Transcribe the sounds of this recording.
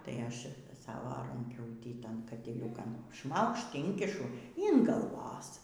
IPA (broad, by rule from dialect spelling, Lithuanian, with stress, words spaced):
ˈtɐɪ ˈɐʃ ˈsɑːʋoː rɐŋʲˈkʲuːtʲiː ˈtɐn kɐtʲɪˈlʲuːkɐn ˈʃmɐʊkʃt ˈɪŋʲkʲɪʃʊ iːn ɡɐlˠˈʋoːs